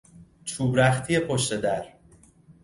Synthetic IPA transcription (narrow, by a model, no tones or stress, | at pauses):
t͡ʃʰuːbɾæxt̪ʰije̞pʰo̞ʃt̪e̞d̪æɾ